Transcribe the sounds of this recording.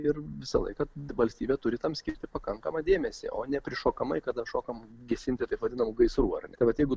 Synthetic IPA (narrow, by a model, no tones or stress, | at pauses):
ɪrʋʲɪsɐ̰lˠɐ̰ɪkɐʋɐlʲsʲt̪ʲiːbʲeːt̪ʊɾʲɪt̪ɐmsʲkʲɪɾʲt̪ʲɪpɐkɐŋkɐmɐd̪ʲeːmʲɛsʲɪ̰ʔoːnʲɛpʲɾʲɪʃoːkɐmɐɪkɐd̪ɐʃoːkɐmɡʲɛsʲɪnʲt̪ʲɪt̪ɐɪpʋɐd̪ʲɪnɐmʊɡɐɪsɾuɐ̰rnʲɛt̪ɐɪʋɐt̪jɛɪɡʊ